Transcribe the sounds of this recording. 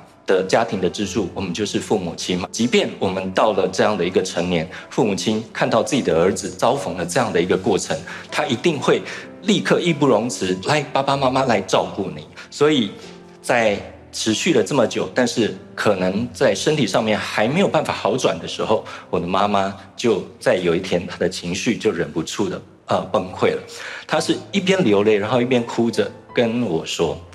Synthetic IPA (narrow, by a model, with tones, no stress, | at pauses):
d̪̥ə˨t͡ɕja˥t̪ʰi˨˧˥ŋd̪ə˨ʈ͡ʂɻ̩˥ʈ͡ʂʰu˥˩wɔ˨˩mə˦njo˥˧ʊʂɻ̩˥˧fu˥˩mu˨˩t͡ɕʰi˥nm˨˩t͡ɕi˧˥pjɛ˥˩nwɔ˨˩mə˨˦nt̪ɑ˥˩ʊlə˩ʈ͡ʂɤ˥˧jɑ˥˩ŋd̪ə˩i˧˥ɡə˧ʈ͡ʂʰə˧˥ŋnjɛ˧˦˥nfu˥˩mu˨˩t͡ɕʰi˥nkʰa˥˧nt̪ɑ˥˧ʊt͡sɹ̩˥˩t͡ɕi˨˩d̪ə˩ə˞˧˥d͡z̩˨t͡sɑ˥ʊfɤ˧˥ŋlə˧ʈ͡ʂɤ˥˧jɑ˥˩ŋd̪ə˩i˧˥ɡə˧kwɔ˥˩ʈ͡ʂʰə˧˥˦ŋt̪ʰa˥ʔi˧˥t̪i˥˧ŋxwe˥˩ɪli˥˧kʰɤ˥˧i˥˧pu˥˩ɻo˧˥ŋt͡s̩ʰ˧˥la˨˦ɪpa˥pa˧ma˥ma˥la˨˧˥ɪʈ͡ʂɑ˥˧ʊku˥˩nḭ˨˩˦swɔ˧˥i˨˩ | t͡sa˥˩ɪ | ʈ͡ʂʰɻ̩˧˥ɕy˥˩d̪ə˩t͡sə˥˩mə˩t͡ɕjo˨˩ʊt̪a˥˧nʂɻ̩˥˩kʰɤ˨˩nə˧˥ŋt͡sa˥˩ɪʂə˥nt̪ʰi˨˩ʂɑ˥˧ŋmjɛ˥˨nxa˧˥ɪme˧˥ɪjo˨˩ʊpa˥˩nfa̰˨˩xɑ˧˥ʊʈ͡ʂwa̰˨˩nd̪ə˦ʂɻ̩˧˥xo˥˩ʊwɔ˨˩d̪ə˦ma˥ma˦ | t͡ɕjo˥˧ʊt͡sa˥˩ɪjo˨˩ʊi˥t̪ʰjɛ˥nt̪ʰa˥d̪ə˨t͡ɕʰi˧˥ŋɕy˥˧t͡ɕjo˥˩ʊɻə˧˨˩npu˧˥ʈ͡ʂʰu˥˩d̪ə˩ | ə˨pə˥ŋkʰwe˥˩ɪlə˩t̪ʰa˥ʂɻ̩˥˩i˥˩pʰjɛ˥nljo˧˥ʊle˥˩ɪɻa˧nxo˥˧i˥pʰjɛ˥nkʰu˦ʈ͡ʂə˨kə˦nwɔ˨˩ʂwɔ˥